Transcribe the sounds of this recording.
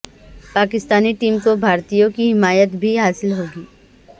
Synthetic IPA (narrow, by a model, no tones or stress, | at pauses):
paːkɪst̪aːniʈiːmkobʱaːɾt̪ijõkiɦɪmaːjət̪bʱiɦaːsɪlɦoːɡiː